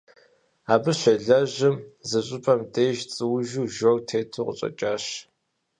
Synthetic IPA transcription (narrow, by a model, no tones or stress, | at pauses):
aːbɨɕʷɐɮɐʑɪmzɨɕʼɪpʰɐmdeːʒt͡sʼɨwʒuːʒoktʰeːtʰuqəɕʼɐ̰t͡ʃʼaːɕ